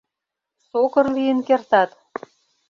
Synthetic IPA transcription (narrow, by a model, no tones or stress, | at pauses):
sokɤ̆rlijə̆nkert̪ɑt̪